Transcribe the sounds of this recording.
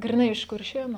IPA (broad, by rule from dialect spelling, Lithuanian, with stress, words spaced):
ɡrʲɪˈnɐɪ ɪʃ kʊrʲˈʃʲeːnʊ